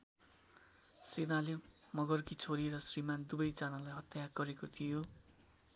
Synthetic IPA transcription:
srinale | mʌɡʌrkit͡sʰoɾiɾʌsrimand̪ubʌjt͡sanalajɦʌt̪jaɡʌɾekot̪ʰijo

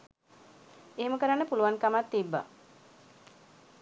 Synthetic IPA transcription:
eːməkəɾaɳːəpuluʋankamat̪ːibːa̰

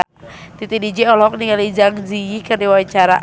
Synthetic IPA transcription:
t̪it̪idid͡ʒɛɔlɔɔk̚niŋalid͡ʒaŋd͡ʒiikərniwawiɲt͡ʃaɾaʔ

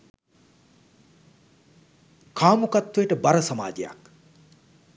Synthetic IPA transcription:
kʰaːmukɐt̪ʰːujeʈəbɐɾɐsɐmaːd͡ʒija̰k

